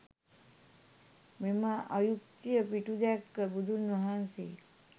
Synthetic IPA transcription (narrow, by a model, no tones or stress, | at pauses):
memaʔɐjuk̚t̪ijəpiʈud̪akːəbud̪ʱunʋəɦanse